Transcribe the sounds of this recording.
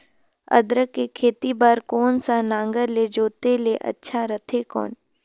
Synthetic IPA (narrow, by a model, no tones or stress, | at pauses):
ɐ̰d̪ɾəkːekʰeːt̪ibaːɾkɔːnsanãːŋɡəɾled͡ʒoːt̪eleʔɐ̰tːʃʰaɾət̪ʰekɔ̰ːn